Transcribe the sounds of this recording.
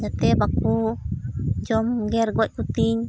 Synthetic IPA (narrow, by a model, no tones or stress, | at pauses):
d͡ʒat̪ebaku | d͡ʒomɡeɾɡoʔkut̪iɲ